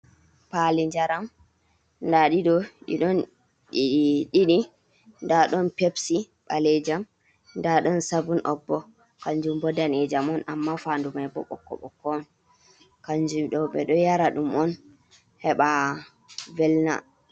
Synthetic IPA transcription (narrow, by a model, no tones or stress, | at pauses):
paliɲd͡ʒaɾam | ndaɗiɗɔɗḭɗɔn | ɗiɗiɗi | ndaɗɔnpepsi | ɓalɛd͡ʒam | ndaɗɔnsabunʔɔ̰bːɔ | kaɲd͡ʒumbɔdanɛd͡ʒamɔnʔamːafandumajbɔ̰ɓɔ̰kːɔ̰ɓɔ̰kːɔn | kaɲd͡ʒumɗɔɓɛ̰ɗɔjaɾaɗumɔn | hɛɓa | vɛlna̰